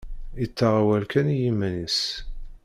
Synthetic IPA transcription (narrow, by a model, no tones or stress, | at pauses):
ət͡sːaʁawælkænjimːænis